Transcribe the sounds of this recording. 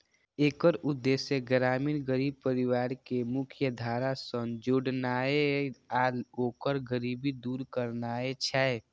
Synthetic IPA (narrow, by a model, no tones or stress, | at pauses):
eːkəɾʊd̪ːesjəɡɾaːmiːnɡəɾiːb̚pəɾiwaːɾkemʊkʰjəd̪ʱaːɾasə̃nd͡ʒoɽnaːeaːloːkəɾɡəɾiːbid̪uːɾkəɾnaːet͡ʃʰɛ